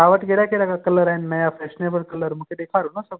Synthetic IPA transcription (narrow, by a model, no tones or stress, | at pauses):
aʋəʈɡʱeɽakelakakələɾajnːəjafɛɕnebəɭkələɾm̤əkʰed̪ekʰaɾunasəɡ